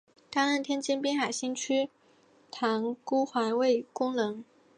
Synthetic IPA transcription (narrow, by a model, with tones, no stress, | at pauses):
t̪a˥˧na˥˩nt̪ʰjɛ˥nt͡ɕi˥npi˥nxa˨˩ɪɕi˥nt͡ɕʰy˥ | t̪ʰɑ˧˥ŋku˥xwa˧˥nwe˥˩ɪkʊ˥ŋlɤ˧˥ŋ